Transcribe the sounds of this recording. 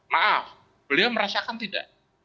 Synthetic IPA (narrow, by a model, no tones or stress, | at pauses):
nah | b̥əliawməɾasakant̪ida̰ʔ